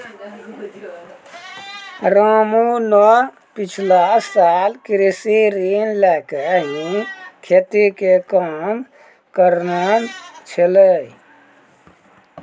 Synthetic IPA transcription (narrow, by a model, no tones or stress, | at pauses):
ɾaːmũnɔ | pit͡ʃʰlasaːlkɾisiɾiːnlɛːkəɦĩkʰet̪ikekaːm | kəɾnant͡ʃʰələi